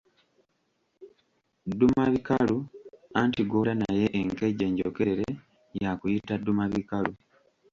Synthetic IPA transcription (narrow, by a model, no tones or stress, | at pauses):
dːumaβikaluantiɡoɾanaje̞ʔeŋkeɟe̞ːɲɟo̰ke̞ɾeɾe | jakujitadːumaβikalu